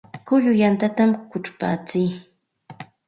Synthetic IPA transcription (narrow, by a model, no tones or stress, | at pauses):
kʊʎʊjant̪at̪amkʊʈ͡ʂpa̰ːt͡sij